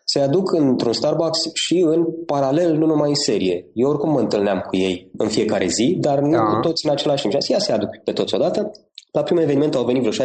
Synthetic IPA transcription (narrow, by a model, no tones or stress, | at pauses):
sead̪ukʰɨnt̪ɾunst̪arbaksʃiɨnpaɾale̞lnunumajse̞ɾije̞jeo̞rkumːəɨnt̪ɨlneamkuje̞jɨnfije̞kaɾe̞̰zid̪arnukut̪o̞t̪sʲiɨnat͡ʃe̞laʃt̪impʃasjasead̪ukpe̞t̪o̞t̪sʲo̞d̪at̪ə̥ | lapɾimue̞veniment̪uawve̞nitvɾoʃa